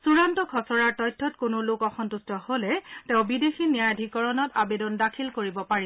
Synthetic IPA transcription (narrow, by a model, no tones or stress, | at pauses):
suɹantɔkʰɔsɔɹaɹtɔjtʰːɔtkonolokɔxɔntustɔholɛtẽʊ̃bidexinijajadʱikɔɹɔnɔtabedɔndakʰilkoɹibɔpaɹi